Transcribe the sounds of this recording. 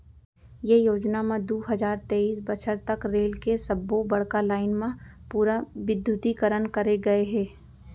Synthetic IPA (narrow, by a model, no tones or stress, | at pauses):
jejoːd͡ʒnamẽd̪uːɦɐd͡ʒaːɾt̪eːiːsbət͡ʃʰəɾt̪ɐkɾeːlkesɐbːobɐɽ̤kalaːɪnmẽpuːɾaʋɪd̪ʱjʊt̪ikəɾənkɐɾeɡɐeɦɛ̃ː